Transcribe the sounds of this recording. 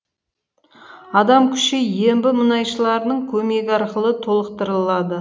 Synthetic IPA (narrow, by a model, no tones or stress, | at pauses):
ɑd̪ɑmkʲʰʏ̥ʃejembɪmʊnɑjʃəlˠɑɾənəɴkʲʰɵme̞ɡʲɪɑɾqəlˠət̪ʰo̞lˠəqt̪əɾəlˠɑd̪ə